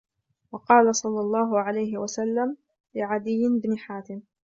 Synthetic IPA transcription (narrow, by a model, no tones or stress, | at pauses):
wɑqɑːlasˤɑlːɑlˤːɑːɦʊʕalajɦɪwasalːam | lɪʕad̪ɪjːɪnbnɪħaːt̪ɪm